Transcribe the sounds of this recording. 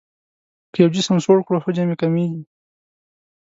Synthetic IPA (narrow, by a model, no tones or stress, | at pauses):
kəjawd͡ʒisəmsoɽkɽoxəd͡ʒamekameɡi